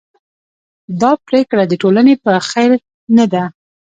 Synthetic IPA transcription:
d̪ɑpɾekɽad̪əʈolanepəxajɾ | nad̪a

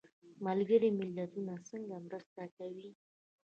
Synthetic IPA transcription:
malɡəɾimɪlːat̪unasəŋɡamɾəst̪akawi

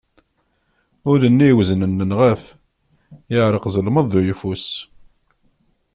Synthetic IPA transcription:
ʊɾənːiwznənːənʁæf | ɪʕɾˤəqzˤəlməðˤːujfus

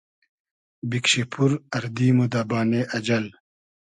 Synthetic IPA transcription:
bikʂipʰuɾɐɾd̪iːmud̪aːbaːneʔɐd͡ʑɐl

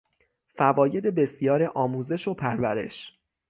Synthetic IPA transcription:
fævɒːje̞d̪e̞be̞sjɒːɾeʔɒːmuːze̞ʃopʰæɾvæɾe̞̰ʃ

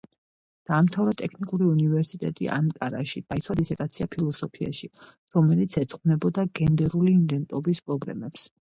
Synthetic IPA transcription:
d̪̥aːmt̪ʰavɾɔt̪ʼɛkʰnikʼuɾiunivɛɾsit̪ʼɛ̰t̪ʼḭʔa̰nkʼaɾa̰ʃid̪̥ait̪sʰwad̪isɛt̪ʼat̪sʰiapʰilˠɔsɔpʰia̰ʃi | ɾɔmɛlit̪sʰɛt̪sʼχʼnɛbɔd̪aɡɛnd̪ɛɾuliːnd̪ɛnt̪ʼɔbispʼɾɔblɛ̰mɛps

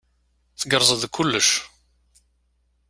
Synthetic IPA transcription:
θəɡəɾˤzˤəðkʰʊlːəʃ

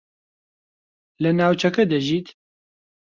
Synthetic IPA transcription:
lɨnaːwt͡ʃʰɛkɛd̪ɐʒiːt̪

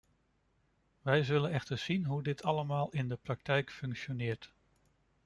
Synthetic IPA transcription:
ʋɛjzɵlənɛχtəɹz̥inɦudɪtʰɑləmaːlˠɪndəprɑk̚tɛjkfɵŋkʃonɪːɹt

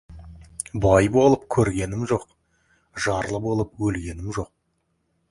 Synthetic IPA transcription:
bɑjbo̞lˠəp̚kʲʰɵɾɡʲe̞nɪmʒo̞q | ʒɑɾlˠəbo̞lˠəpwɵlɡʲe̞nɪmʒo̞q̚

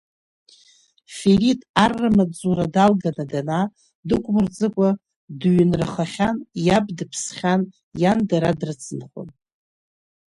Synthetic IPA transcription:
feritʼarːɨmad͡zuɾadalɡanadana | dɨkʷʼmɨrd͡zɨkʷʼa | dɥɪnrɨχaχʲanjabdɨpʰsχʲan | jandaɾadrɨt͡sʰɨnχo̰n

